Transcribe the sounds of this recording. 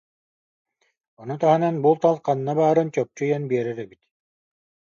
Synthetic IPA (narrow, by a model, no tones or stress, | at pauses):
ɔnut̪aɦɯnanbulˠt̪alˠqanːabaːɾɯnt͡ɕœp̚t͡ɕyjanbiɛɾɛɾɛbit̪